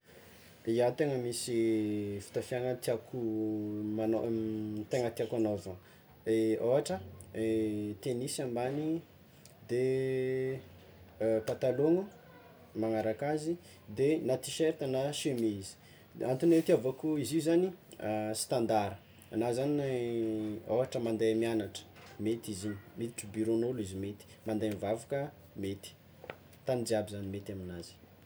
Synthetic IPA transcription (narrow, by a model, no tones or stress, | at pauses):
iant̪eŋəmisifi̥t̪afiaŋət̪iakumanot̪eŋət̪iakanovə | eoɦaʈ͡ʂəet̪enisiambani | d̪e | pat̪aloŋu | maŋaɾakazi | d̪enat̪iʃeɾt̪anaʃemeizi̥ | ant̪unet̪iavakuiziuzanisi̥t̪and̪aɾə | anazani | oaʈ͡ʂəmand̪ajmianaʈ͡ʂə̥met̪iziɲimet̪i̥ʈ͡ʂəbiɾonolizimet̪i̥mand̪ajmvavukə | met̪i̥ | t̪anid̪abizanimet̪aminazi̥